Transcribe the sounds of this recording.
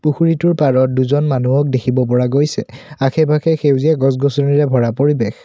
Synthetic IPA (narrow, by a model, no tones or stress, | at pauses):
puxuɹituɹpaɹɔt̚duzɔnmanuɔk̚dekʰibɔp̬ɔɹaɡojsɛakʰɛbʱakʰɛxewziɛɡɔs̬ɡɔsɔniɹɛbʱɔɹapoɹibex